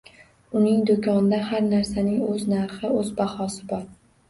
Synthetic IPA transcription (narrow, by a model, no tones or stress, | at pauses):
ʊnɪŋd̪okʲʰɒnɪd̪ahaɾnaɾsanɪŋɵznaɾχɪɵzbahɒsɪbɒɾ